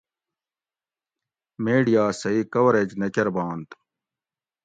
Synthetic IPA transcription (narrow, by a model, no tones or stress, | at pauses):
meːɖijaːsɐikɐwɐɾed͡ʑnekɐɾbãːnt̪